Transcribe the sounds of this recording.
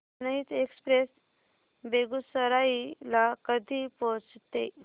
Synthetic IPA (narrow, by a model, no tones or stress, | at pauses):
nəɦiːt̪ekspɾes | beɡusəɾailakəd̪ʱipot͡st̪e